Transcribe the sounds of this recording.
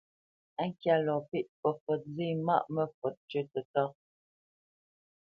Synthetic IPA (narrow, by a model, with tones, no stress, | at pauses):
ɛ˦ŋ̩˦kja˦lɔ˨pi˦˨ʔpɔ˨fɔ˨t̚zi˦˨ma̰˦ʔmə˦fɔ˨t̚t͡ʃə˦tə˨tɔ˦